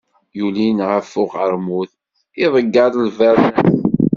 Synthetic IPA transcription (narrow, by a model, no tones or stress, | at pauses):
julinʕəfːʊʁəɾˤmuθ | ɪðˤəɡːɑðˤlvæɾnæθ